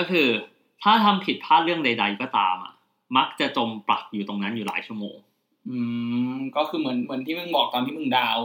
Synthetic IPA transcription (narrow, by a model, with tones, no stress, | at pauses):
kɔː˥˩kʰɯː˧ | t̪ʰaː˥˩t̪ʰa˧mpʰi˨˩t̪̚pʰaː˥˩t̪̚ɾɯ˥˩əŋda˧jda˧jkɔː˥˩t̪a̰ː˧mʔa̰˨˩ | ma˦˥k̚t͡ɕa˨˩t͡ɕo˧mpla̰˨˩k̚juː˨˩t̪o˧ŋna˦˥njuː˨˩la̰ː˩˦jt͡ɕʰu˥˩əmo̰ː˧ŋ | ʔɯː˧kɔː˥˩kʰɯː˧mɯ˩˦ənmɯ˩˦ənt̪ʰiː˥˩ɯ˧˩ŋbɔː˨˩k̚t̪ɔː˧nʰiː˥˩mɯ˧˩ŋdaː˧w